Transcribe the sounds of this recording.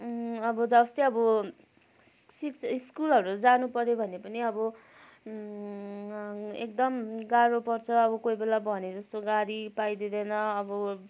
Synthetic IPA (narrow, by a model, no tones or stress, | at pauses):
ʌbʌd͡zʌʌst̪eʌbʌ | sikiskulɦʌɾud͡zanupʌɾjebʱʌnepʌniʌbʌ | ḛk̚d̪ʌmɡaɾopʌrt͡sʰʌːbʌkoibelabʱʌned͡zʌst̪oɡaɾipajd̪id̪ʌjnʌʌbʌ